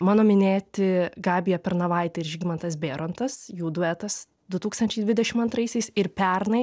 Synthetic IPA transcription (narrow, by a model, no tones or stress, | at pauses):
mɑːnoːmʲɪnʲeːt̪ʲɪɡɑːbʲɪjɛpʲɛɾnɐʋɐˑɪt̪ʲɛɪɾʒʲiɡʲmɐnt̪ɐsbʲeːɾont̪ɐsjuːd̪ʊɛt̪ɐs | d̪ʊt̪uːkst̪ɐnʲt͡ʃʲɛɪd̪ʲʋʲɪd̪ʲɛʃʲɪmɐnt̪ɾɐɪsʲɛɪsɪɾpʲɛɾnɐɪ